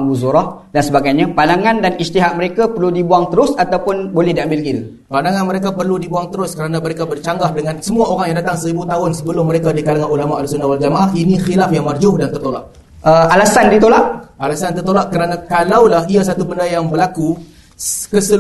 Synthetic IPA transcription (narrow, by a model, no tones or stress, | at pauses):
ŋbuzuɾɔhdansəbaɡajɲãpandaŋãndanist̪iɦaʔ̚məɾekapərludibuaŋt̪əɾʊsat̪awpʊnbolɛhdiambɪlkil | pandaŋãnməɾekapərludibuaŋt̪əɾʊskəɾanãməɾekabərt͡ʃaŋɡahdəŋansəmuaoɾaŋjaŋdat̪aŋsəɾibut̪aɦʊnsəbəlʊmːəɾekadikanaŋanulamaʔalsʊndawald͡ʒamaʔahinixilafjaŋmard͡ʒʊhdant̪ərt̪olaʔ | ʔəalasandit̪olaʔalasant̪ərt̪olaʔkəɾanakalawlaɦias̬at̪ubəndajaŋbəlaku | kəsə